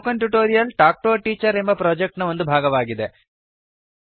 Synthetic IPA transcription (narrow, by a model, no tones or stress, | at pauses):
kɐɳʈjuʈoːɾijɐlʈaːk̚ʈoːʈiːt͡ʃɐɾe̞mbɐpɾoːd͡ʒek̚ʈnɐo̞nd̪ubʱaːɡɐʋaːɡid̪e̞